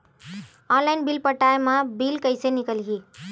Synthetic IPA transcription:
ɔnlainbilpəʈaemãbilkəɪsenikəlɦi

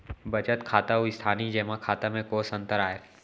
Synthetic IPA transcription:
bɐt͡ʃət̪kʰaːt̪aoɪst̪ʰaːnid͡ʒɛːmakʰaːt̪amẽkoːsə̃nt̪əɾaːeː

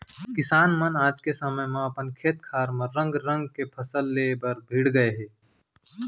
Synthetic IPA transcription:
kɪsaːnmənaːd͡ʒkesəməjmẽɐpənkʰeːt̪kʰaːɾmẽɾːə̃ŋɡɾə̃ŋɡ̚kepʰəsəlːebəɾbʱiɽɡəeɦɛː

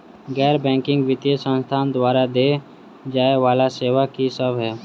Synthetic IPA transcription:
ɡɛːɾbɛ̃ːŋkɪ̃ŋɡʋɪt̪ijəsə̃nst̪ʰaːnd̪waːɾad̪e | d͡ʒaːeʋaːlaseːʋakisəbɦɛː

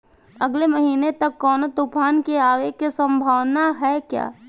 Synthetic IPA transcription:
ɐɡlemɐɦiːnet̪ɐkːɔːnot̪ʊpʰaːnkeaːʋeːkːesə̃mbʱaːʋnaɦɛkja̰ː

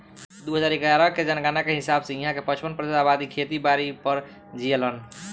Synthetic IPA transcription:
d̪uɦəd͡ʒaɾeɡaɾəked͡ʒənkanakeɦɪsabsẽiɦãkepət͡ʃʰpənpɾd̪esabad̪ikʰet̪ibaɾipəɾ | d͡ʒijələn

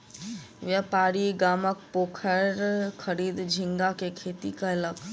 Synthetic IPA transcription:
ʋjapaːɾiɡaːmək̚poːkʰəɾkʰəɾiːd̪d͡ʒʱɪ̃ŋɡakekʰeːt̪ikaɐlək

